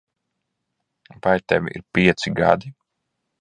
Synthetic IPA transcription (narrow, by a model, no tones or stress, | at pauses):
vajt̪ɛviḭɾpʲiɛt̪siɡa̰d̪i